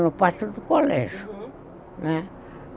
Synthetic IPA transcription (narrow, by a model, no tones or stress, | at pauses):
nopɑt̪ut̪ːukolḛˑs | mæ